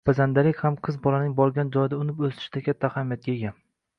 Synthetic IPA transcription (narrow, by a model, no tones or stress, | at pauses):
bazand̪alɪkʲhamqʰɨzbɒlanɪŋbɒɾɡʲand͡ʒɒjd̪aʊnɪpɵst̪ɪ̥ʃt̪akʲʰat̪ʰːahamjat̪̚ɡʲeɡʲa